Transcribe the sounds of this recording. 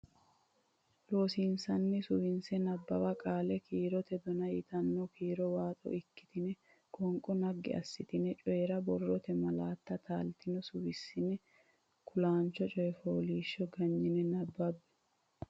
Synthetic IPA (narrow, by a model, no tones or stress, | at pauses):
lo̞ːsiːnsɐnːɪsʊwɪnsɛnɐbːɐbɐkʼaːlɛkʰiːɾɔt̪ɛd̪ɔnɐjɪt̪ɐnːɔkiːɾɔwaːt̪ʼɔ̰ʔɪkːɪ̥t̪ɪnɛ | kʼɔŋkʼɔnɐɡːɪ̰ɐ̰sːɪt̪ɪnɛt͡ʃʼɔjɛɾɐbɔrːɔt̪ɛmɐlaːt̪ːɐt̪aːlt̪ɪnɔsʊwɪsːɪnɛ | kʰʊlaːnt͡ʃːɔt͡ʃʼɔjɛfoːliːʃːɔɡɐɲːɪnɛnɐbːɐbːɛ̥